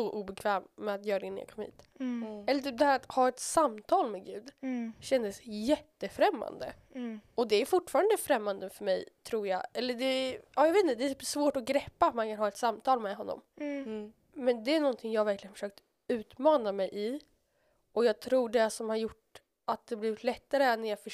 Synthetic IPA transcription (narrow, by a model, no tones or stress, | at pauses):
sɔʔuːbɛkʰvɛːmːɛat̪jœːɾad̪ɛnj̰kʰɔmhḭːt̪ɛlːəʈ̪ʰyːp̚d̪ɛhæːɾat̪hɑːɛt̪samt̪ʰɑːlmɛɡʉ̟ːd̪ɕɛnd̪əsjɛt̪ːəfɾɛmːa̰nd̪ə̰ | ɔd̪ɛæjfʊʈːfɑːɾand̪əfɾɛmːand̪əfœɾmɛjt̪ʰɾuːɾjɑ̰ɛlːəɖɛɑːjaveːt̪nəd̪ɛæt̪ʰyːpsvoːʈɔɡɾɛpːaːt̪mankʰanɦɑːɛt̪samt̪ʰɑːlmɛːɦɔnːɔ̰m | mɛnd̪ɛænɔnt̪ʰɪŋjɑːhavæɾklɪɡənfœ̥ʂøːk̚t̪ə | ʉ̟ːt̪mɑːnamɛjʔɪ | ɔjɑːɡ̚t̪ʰɾuːɖɛsɔmhaɾjʊʈː | at̪̚d̪ɛbliːvɪt̪lɛt̪ːaɾəɛnːæɾjɑːfœ